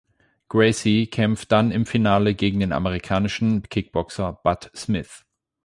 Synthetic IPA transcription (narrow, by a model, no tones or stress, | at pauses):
ɡ̥ʁɛsikʰɛmft̚d̥anɪmfinaːləɡeːɡŋ̩deːna̰məʁ̞ikʰaːnɪʃn̩kʰɪk̚b̥ɔksɐb̥atsmɪθ